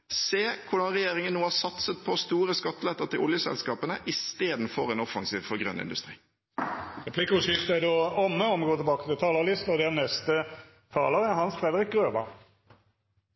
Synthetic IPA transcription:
seːkʰʊɖɑnʁɛjeːʁɪŋənːoːhɑːsɑt̪sət̪̚pʰɔst̪uːɾəskɑt̪ːlɛt̪ːəʁt̪ɪlʔʊljəsɛ̰lskɑːpənəʔɪst̪eːd̪n̩fɔʁɛnɔfɑŋsiːʋfɔʁɡʁœ̰nːɪ̰nd̪ʉst̪ʁḭː | ʁɛpʰlɪkʊʃɪʁt̪əd̪oːɔmːəɔmɡoːt̪ʰɪbɑːkət̪ɪlt̪ʰɑːləʁlɪst̪ɔd̪ɛnɛst̪ə | t̪ʰɑ̰ːləʁɛhɑnsfɾɛd̪əɾɪk̚ɡʁøːbɑ̰

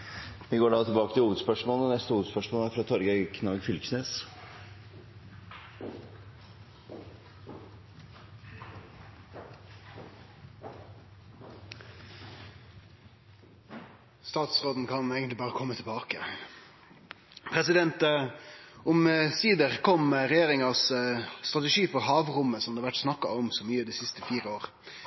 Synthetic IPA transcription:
ʋɪɡoːɖɑːt̪ʰɪlbɑːkət̪ɪhuːʋəd̪spœʂmoːləɔnɛst̪əhuːəd̪spœʂmoːlæɾfɾɑt̪ʰɔɾɡəɪkʰnɑːɡfʏlksneːs | st̪ɑːt̪sʁoːd̪n̩kʰɑneːɡənt̪lɪbɑːʁəkʰɔmːət̪ʰɪlbɑːkə | pʰɾɛsɪd̪ɛnt̪ | ʊmsiːd̪əʁkʰɔmʁɛjeːʁɪŋɑst̪ʁɑt̪ɛʂiːfɔɾɦɑːʋʁʊməsɔmd̪ɛːʋæʈsnɑkːɑɔmsoːmyːəd̪ɛːsɪst̪əfiːʁəoːʁ

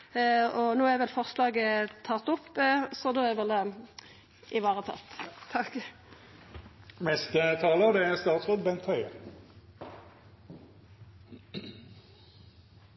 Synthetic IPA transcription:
ɔnoːɛʋɛlfɔʁslɑːɡət̪ʰɑt̪ːɔpːsɔd̪oːɛʋɛld̪ɛ | ʔɪʋɑːʁət̪ʰɑ̰t̪ʰɑk | mɛst̪ət̪ʰɑːləɑd̪ɛæʁst̪ɑːt̪sʁɔːd̪bɛnt̪hœʏəʁ

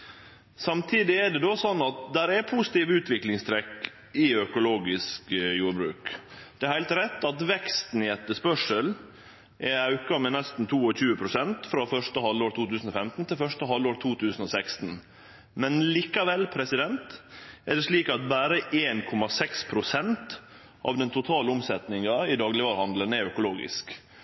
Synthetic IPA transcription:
sɑmt̪ʰiːd̪ɪɛɖɛd̪osɔnːɑt̪̚d̪æɾæpʰuːsɪ̥t̪iːʋʉːt̪ʋɪklɪŋst̪ʰɾɛkː | ɪœkʊloːɡɪskjuːɾbɾʉːkd̪̥ɛæɾhæɪlt̪ɾɛt̪ːɑt̪ʋɛkst̪n̩ɪɛt̪ːəspœʂəl | ʔɛɑʉkɑmɛnɛst̪n̩t̪ʰuːɔçʉːəpʰɾʊsɛnt̪fɾɑfœʂʈəhɑloːɾt̪ʰuːt̪ʉːsn̩ɔfɛmt̪n̩t̪ʰɪlfœʂtəɦɑlːoːɾt̪ʰuːt̪ʰʉːsn̩ɔsækst̪n̩ | mɛnliːkɑʋɛlːpʰɾɛsɪd̪ɛnt̪ɛɖɛʂɭiːkɑt̪bæːɾəʔeːnkʰɔmɑsɛkspʰɾʊsɛnt̪ | ʔɑ̰ʋd̪ɛnt̪ʰʊt̪ʰɑːləʊmsɛt̪nɪŋɑɪd̪ɑːɡlɪʋɑːɾhɑnd̪lənɛɾœkʊloːɡɪ̰sk

